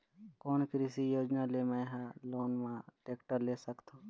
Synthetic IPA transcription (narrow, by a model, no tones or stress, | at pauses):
koːnkɾisijoːd͡ʒnalemãɦãloːnmãʈeːkʈəɾleːsəkt̪ʰoː